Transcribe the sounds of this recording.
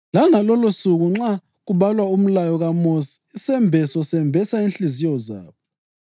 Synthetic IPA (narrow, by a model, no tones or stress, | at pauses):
laŋalɔlosuɣuŋ͡ǁa | ɣuβalwaum̩lajɔɣamosi̥ːsɛmbʱɛsɔsɛmbʱɛsainɬizijɔza̰ːβɔɔ